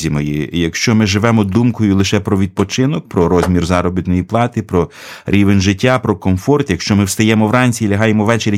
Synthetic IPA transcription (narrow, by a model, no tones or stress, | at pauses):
zʲimɔjijɐkʃt͡ʃɔmɪʒɪʋɛmɔd̪umkɔjʊlˠɪʃɛpɾɔʋʲid̪̚pɔt͡ʃɪnɔk̚pɾɔɾɔzʲmʲirzɑɾɔbʲit̪nɔjiplˠɑt̪ɪpɾɔ | ɾʲiʋenʲʒɪtʲːapɾɔkɔmfɔrt̪jɐkʃt͡ʃɔmɪwst̪ɐjɛmɔwrɑnʲt͡sʲiːlʲɐɦɑjemɔʋɛt͡ʃeɾʲ